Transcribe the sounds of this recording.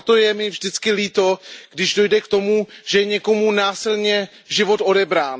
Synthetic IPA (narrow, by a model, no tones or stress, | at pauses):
t̪ojɛmɪvʒdɪt͡skɪliːt̪o̞ɡ̥dɪʒdo̞jdɛkt̪o̞muʒ̥ɛjɛɲɛko̞munaːsɪlɲɛ | ʒɪvo̞t̪o̞dɛbɾaːn